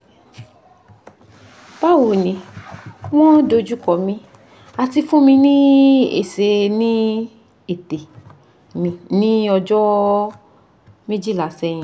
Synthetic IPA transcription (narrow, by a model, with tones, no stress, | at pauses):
pa˦˨wu˨nĩ˨ | w̃ɔ̃˦do˧d͡ʒu˦kɔ˨mĩ˧ | a˧ti˧fũ˦mĩ˧nĩ˦ḛ˦˨se˧nĩ˦ | e˨te˨ | nĩ˨nĩ˦ɔ˧d͡ʒɔ˦ | mĩ˦d͡ʒi˦˨la˨sɛ˧˦j̃ĩ˨